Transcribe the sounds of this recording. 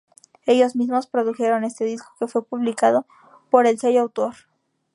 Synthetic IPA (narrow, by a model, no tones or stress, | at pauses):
e̞ʝo̞zmizmo̞spɾo̞ðuxe̞ɾo̞ne̞st̪eðisko̞̥ke̞fwe̞puβlikaðo̞ | po̞ɾe̞lsejoawt̪o̞ɾ